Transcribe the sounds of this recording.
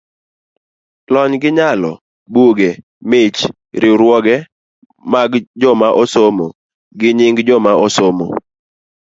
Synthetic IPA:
lɔɲɡɪɲalɔ̰ | buɡe | mɪt͡ʃ | ɾɪɾwɔɡɛ | maɡd͡ʒɔmaʔɔsomo | ɡɪɲɪŋɡd͡ʒɔmaɔsomo̰

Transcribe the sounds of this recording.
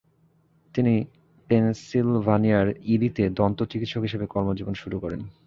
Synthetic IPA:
t̪ini | pensilvʱaniaɾiɾit̪ed̪ɔnt̪ot͡ɕikit̪ʃokɦiʃebekɔɾmod͡ʑibonʃuɾukɔɾen

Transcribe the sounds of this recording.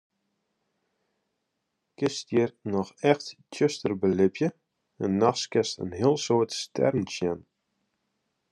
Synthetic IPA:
kɪstjiərnɔxɛxttøstərbəlɪpjə | ənːaxskɛstə̰nɦiəlˠsoətstʰɛ̰rnsjɛn

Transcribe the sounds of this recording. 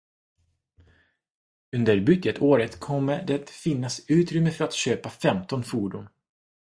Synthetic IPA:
ɵnd̪əɾbʏɡət̪ʰoːɾət̪kʰɔmːəd̪ɛt̪fɪnːasʉ̟ːt̪ɾʏmːəfœɾat̪ɕøːpafɛmt̪ɔnfuːɖuːn

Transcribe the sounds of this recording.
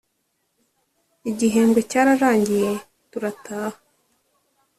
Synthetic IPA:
iɟiɦe̞ːmbɡwe̞caːɾaɾaːɲɟije̞ | tuɾatʰaːha

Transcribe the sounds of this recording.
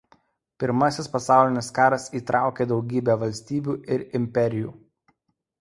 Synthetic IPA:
pʲɪɾmɐsʲɪspɐsɑˑʊlʲɪnʲɪskɑːɾɐsiːt̪ɾʔɑˑʊkʲeːd̪ɒʊɡʲiːbʲɛːʋɐlʲsʲt̪ʲiːbʲuːʔɪɾɪmʲpʲɛɾʲɪjṵː

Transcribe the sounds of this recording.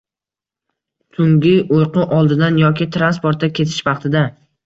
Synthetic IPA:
t̪ʰʊŋɡʲɪojqʊʔɒlˠd̪ɪd̪anjɒkʲɪt̪ʰɾanspoɾt̪ːakʲʰe̞t̪ʰɪ̥ʃvɑqt̪ʰɪd̪a

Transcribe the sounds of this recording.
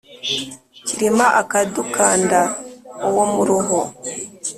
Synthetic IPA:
ciɾimaʔakadukaːndaowomuɾuɦo

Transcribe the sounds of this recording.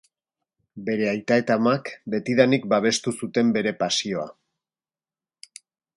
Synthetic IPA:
be̞ɾe̞ajt̪ae̞t̪amakbe̞t̪iðanik̚baβ̞e̞st̪usut̪e̞mbe̞ɾe̞pasio̞a̰

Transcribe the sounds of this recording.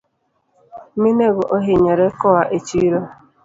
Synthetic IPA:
mineɣʊʔoɦeɲeɾekɔwaʔet͡ʃiɾo

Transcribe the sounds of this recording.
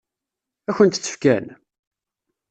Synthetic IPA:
æçənt̪t͡sːə̥fkæ̰n

